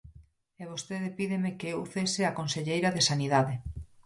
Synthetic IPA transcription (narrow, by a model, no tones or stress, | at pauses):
eβost̪eðepiðemekeewθeseakonseʎejɾaðesaniðaðe